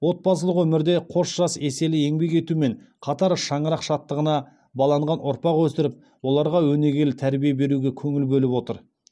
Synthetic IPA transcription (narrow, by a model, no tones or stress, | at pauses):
wo̞t̪̚pɑs̬əlˠəqwɵmɪɾd̪e̞qʰo̞sʒ̥ɑse̞se̞lɪje̞ŋbe̞ke̞t̪ume̞ɴ | qʰɑt̪ɑɾʃɑɴəɾɑqʃɑt̪ːəʁənɑ | bɑlˠɑɴʁɑnʔʊɾpɑqwɵsɪɾɪp̚ | wo̞lˠɑɾʁɑwɵne̞ɡʲe̞lt̪ʰæɾbijebe̞ɾuɡʲe̞kʲʰɵŋɪlbɵlɪpwo̞t̪əɾ